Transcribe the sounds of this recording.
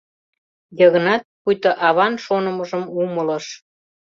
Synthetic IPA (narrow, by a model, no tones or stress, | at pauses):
jəɣə̆nɑt̪̚pujt̪əʔɑβɑnʃonəmə̆ʒəmumələ̆ʃ